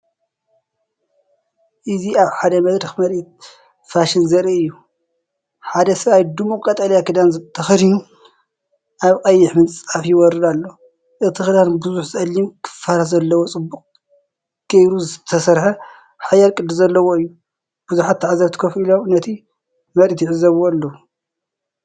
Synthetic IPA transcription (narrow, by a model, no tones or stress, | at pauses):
ʔɨziaβħad̪ɐmɐd̪ɾɐxmɐɾit̪ | faʃinzɐɾiʔɨjːu | ħad̪ɐsɐβajd̪ɨmukʼɐt̪ʼɐljakʰɨd̪anzɨt̪ʰɐxɐɾinu | ʔaβqʼɐjːɪħmɨnt͡sʼafjiwɔɾɨd̪alːo̞ | ʔɨt̪ʰɨxɨd̪anbɨzuħzɨʔɐlːimkʰɨ̥fːaɾazɐlːɐwot͡sʼɨbːuqʼ | ɡ̥ɐjɾuzɨt̪ʰɐsɐɾħɐ | ħajɐɾkʼɨd̪izɐlːɐwoɨjːu | b̥uzuħat̪ːaʕazɐβt̪ʰi̥kʰɐfilomnɐt̪ʰi | mɐɾit̪jɪʕɨzːɐβoalːɐwu